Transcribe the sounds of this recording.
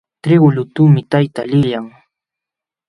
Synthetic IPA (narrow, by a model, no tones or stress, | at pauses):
t̪ɾɪɢʊʎʊt̪umɪt̪ajt̪alɪjaŋ